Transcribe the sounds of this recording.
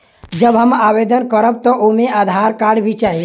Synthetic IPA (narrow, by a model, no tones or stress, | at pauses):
d͡ʒəbɦəmaːbeːd̪ənkəɾəb̚t̪ɔʔomẽʔaːd̪ʱaːɾkaːɽbʱit͡ʃaːe